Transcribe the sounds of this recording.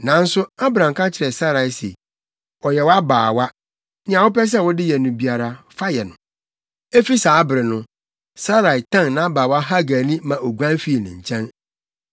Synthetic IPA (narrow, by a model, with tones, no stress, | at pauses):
nã˨˦n̩˦sʊ˦a˦bɾã˨ŋ˨kʰa˦t͡ɕʰɪ˨ɾɛ˨sa˦ɾa˨i˨sḛ˨ | ɔ˨jɛ˨wɔ˦a˦baː˨wa˦ | nɪ̃˦ã˨wʊ˦pɛ˦s̬ɛ˦˨wɔ˦dɪ˦jɛ˨nʊ̃˨bi˨a˨ɾa˨ | fa˦jɛ˨nʊ̃˨ | e˦fi˦sa˨a˦bɪ˨ɾɪ˨nʊ̃˦ | sa˦ɾa˨i˨tʰã˦nnã˨˦a˦baː˨wa˦ɦa˦ɡaː˨nĩ˦mã˨ʔɔ˨ɡu˦ã˦n˦fi˦e˨nɪ̰̃˨ɲ̩˨t͡ɕʰɛ̃˦n